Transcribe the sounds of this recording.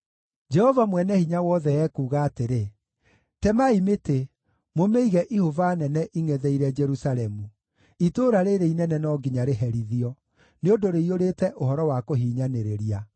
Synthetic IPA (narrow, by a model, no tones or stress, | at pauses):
d͡ʒɛhɔvamwɛnɛhiɲawɔːðɛjɛkuːɣaːteɾe | tɛmaimete | momeiɣɛʔihovanɛnɛʔiŋɛðɛiɾɛd͡ʒɛɾusalɛmu | itoːɾaɾeɾeinɛnɛnɔɡiɲaɾeɦɛɾiðiɔ | neodoɾeioɾetɛʔohɔɾɔwakoɦiːɲaneɾeɾia